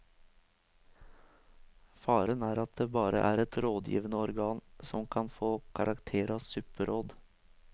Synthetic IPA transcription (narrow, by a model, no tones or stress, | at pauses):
fɑːɾənæːɾɑt̪̚d̪eːbɑːɾə̰ʔæːɾɛt̪ɾoːd̪jḭːʋənəɔɾɡɑːnsɔmkʰɑnfoːkʰɑɾʔɑkt̪ʰeːɾɑsʉːpəɾʔoːd̪